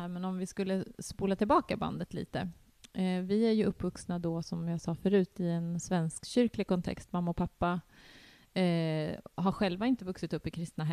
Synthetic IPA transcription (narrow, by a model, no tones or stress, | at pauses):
æɾmɛnɔmvɪskɵlːəspuːlat̪ʰɪlbɑːkaba̰nd̪ət̪lḭːt̪ə̰ | vɪæɾjɵɵpːvɵksnad̪ɔsɔmjɑsɑːfœɾʉ̟ːt̪ɪɛnsvɛnskɕʏɾklɪɡ̚kʰɔnt̪ʰɛ̰kst̪mamːaɔpʰapːa | ɦaɾɧɛlvaɪnt̪əvɵksɪt̪ɵpːɪkʰɾɪst̪naɦɛ